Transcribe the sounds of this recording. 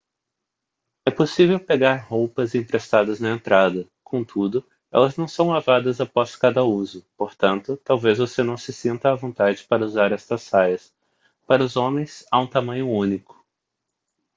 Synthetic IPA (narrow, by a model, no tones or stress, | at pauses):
ɛposivewpeɡaɾhowpɐzĩpɾest̪ad̪ɐznɐẽnt̪ɾad̪ɐ | kʰõt̪ʰud̪ʊ | ɛ̰lɐznɐ̃w̃sɐ̃w̃lavad̪ɐzapɔskad̪ɐuzʊpoɾt̪ɐ̃nt̪ʊt̪awvezvosenɐ̃w̃sɪsĩnt̪ɐːvõnt̪ad͡ʒɪpaɾɐuzaɾɛst̪ɐsajɐs | paɾɐʊzõmẽj̃saũt̪amɐ̃ɲʊũnikʊ̥